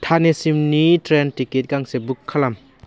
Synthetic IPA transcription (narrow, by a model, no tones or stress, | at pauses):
tʰanesimnitɾentiket̚ɡaŋsebukʰːalam